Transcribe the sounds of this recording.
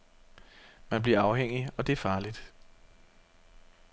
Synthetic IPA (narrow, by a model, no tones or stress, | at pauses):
mænb̥liɐɑ̈ʊɦeŋ̰iɒ̽d̥e̝æɐfɑ̈ːlid̥